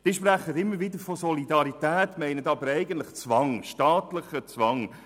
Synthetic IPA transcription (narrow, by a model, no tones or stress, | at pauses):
d̥iːʃpɾæχədɪmːəɾʋɪdəɾfɔsɔlidɑɾitæːtmɛɪnətɑbəɾɛɪɡən̩t̪lɪχt͡svɑŋʃtɑːt̪lɪχət͡sʋɑŋ